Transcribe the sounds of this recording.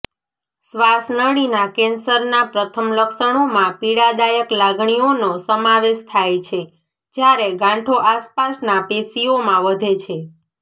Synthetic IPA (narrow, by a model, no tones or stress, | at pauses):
sʋasnəɽinakensəɾnapɾət̪ʰəmləkʃəɳ̃omãpiɽad̪ajəklaɡɳionosəmaʋeʃt̪ʰajt͡ʃʰe | d͡ʒjaɾeɡãʈʰoʔaspasnapesiomãʋəd̪ʱet͡ʃʰe